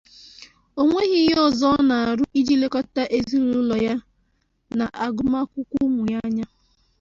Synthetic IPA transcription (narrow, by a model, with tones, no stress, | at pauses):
o˦ŋʷe˦ɣi˨˦jɔ˦zɔ˦na˨a˨ɾʊ˦ʔi˦d͡ʒi˦le˦kɔ˦ta˦ʔe˦zi˦ɾu˦lɔ˨ja˦ | na˨ʔa˨ɡʊ˨ma˦kʷʊ˦kʷu˦mʊ˨ja˦ɲa˦